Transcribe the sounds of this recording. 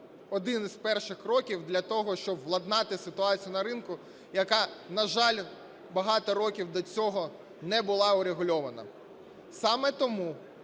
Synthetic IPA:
ɔd̪ɪnizpɛrʃɪxkɾɔkʲiwd̪lʲɐt̪ɔɦɔʃt͡ʃɔbʋlˠɐd̪nɑt̪ɪsɪt̪ʊɑt͡sʲijʊnɐɾɪnkʊ | jɐkɑnɐʒɑlʲ | bɐɦɑt̪ɔɾɔkʲiwd̪ɔt͡sʲɔɦɔ | nɛbʊlˠɑʊɾeɦʊlʲɔʋɐnɐ̰ | sɑmɛt̪ɔmu

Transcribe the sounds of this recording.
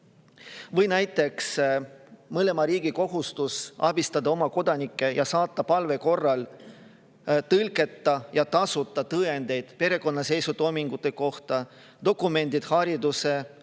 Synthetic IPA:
vɤjnæjt̪ːˑe̞ks | mɤle̞mɑɾiːɡiko̞ɦust̪usɑbist̪ɑd̪ɑo̞mɑko̞d̪̥ɑnikːˑe̞jɑsɑːt̪ːɑpɑlve̞ko̞rːɑl | t̪ɤlke̞t̪ˑːɑjɑt̪ɑsut̪ːˑɑt̪ɤend̪̥e̞jd̪̥pe̞ɾe̞ko̞nːɑse̞jsut̪o̞jmiŋɡ̥ut̪ːˑe̞ko̞ht̪ɑ | d̪̥o̞kˑːume̞nd̪̥id̪̥hɑɾid̪use̞

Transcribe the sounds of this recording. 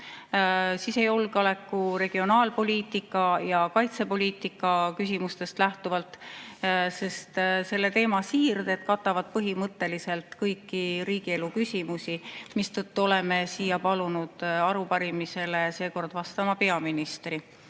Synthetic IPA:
siːse̞jo̞lɡɑle̞kːˑuɾe̞ɡ̥io̞nɑːlpo̞lʲiːt̪ˑikːˑɑjɑkɑjt̪se̞po̞lʲiːt̪ˑikːˑɑkys̬ʲimust̪e̞st̪læht̪uvɑlt̪ | se̞st̪se̞lːe̞t̪e̞ːmɑsiːrd̪̥e̞t̪kɑt̪ːˑɑvɑd̪̥̚pɤɦimɤt̪ˑːe̞lise̞lt̪kɤjkːˑiɾiːɡ̥ie̞lukysʲimusimist̪ɤt̪ːuo̞le̞me̞siːjɑpɑlunud̪̥ɑɾupɑɾimise̞lese̞ːko̞rd̪̥vɑst̪ɑmɑpe̞ɑminist̪ri

